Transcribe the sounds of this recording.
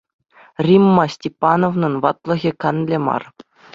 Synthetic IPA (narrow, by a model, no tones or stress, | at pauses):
rʲimːɑsʲtʲepːɑnoʋnɤ̆nʋɑt̪lˠɤ̆ɣʲikɑnlʲemɑ̰r